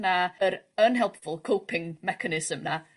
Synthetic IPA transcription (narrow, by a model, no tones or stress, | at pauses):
naəɾənɦɛlˠpfʊlˠkʰowpʰɪŋmɛkʰanɪsəmna